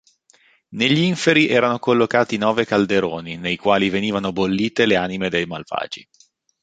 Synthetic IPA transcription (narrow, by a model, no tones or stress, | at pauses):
neʎːiɱfeɾiʔɛːɾanokolːokaːt̪inɔːvekald̪eɾoːninejkwaːliveniːvanobolːiːt̪eleaːnimed̪ejmalv̥a̰ːd͡ʒḭ